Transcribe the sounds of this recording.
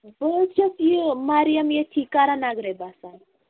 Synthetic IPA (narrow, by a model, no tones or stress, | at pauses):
bət͡ʃʰɐsjimaːɾijɐmjeʈʰikaɾanaɡɾebasan